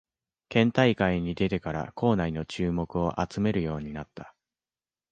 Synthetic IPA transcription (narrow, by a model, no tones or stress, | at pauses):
kẽ̞nt̪aikaiɲ̟id̪e̞t̪e̞kaɾa̰kʰo̞ːnaino̞t͡ɕɨːmo̞kɯ̟o̞ʔat͡sɨme̞ɾɯ̟jo̞ːɲ̟inat̪ːḁ